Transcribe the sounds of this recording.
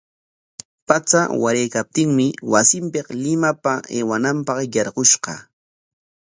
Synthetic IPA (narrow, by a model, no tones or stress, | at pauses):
pat͡sa̰waɾejkap̚t̪ɪŋmɪwasɪmpeqlɪmapaeːwanampɑqjɑɾɢoʃqɑ̰